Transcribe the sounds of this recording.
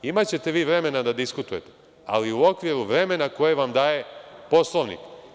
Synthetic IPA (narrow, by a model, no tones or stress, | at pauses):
imat͡ɕe̞t̪e̞ʋiːʋɾe̞me̞nad̪ad̪iskut̪uje̞t̪e̥ | a̰liuo̞kʋiɾuʋɾe̞me̞nako̞jeʋamd̪aːje̞po̞slˠo̞ʋnḭk